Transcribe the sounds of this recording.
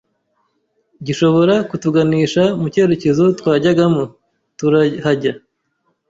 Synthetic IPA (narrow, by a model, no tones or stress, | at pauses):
ɟiʃo̞βo̞ɾakutuɡaniːʃamuce̞ːɾe̞ce̞zo̞twaːɟaɡamo | tuɾahaɟa